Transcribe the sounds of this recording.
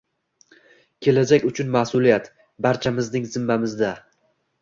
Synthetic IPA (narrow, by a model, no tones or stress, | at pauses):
kʲʰe̞lad͡ʒakʲʊt͡ʃʰʊnmahsʊlijat̪ | baɾt͡ʃʰamɪznɪŋzɪmːamɪzd̪a